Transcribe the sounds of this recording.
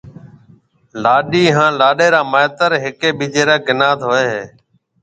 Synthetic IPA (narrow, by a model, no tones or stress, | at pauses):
laːɗiːɦãːlaːɗeːɾaːmaːt̪əɾɦɪkeːɓiːd͡ʒeːɾaːɡɪnaːt̪ɦoːeːɦeː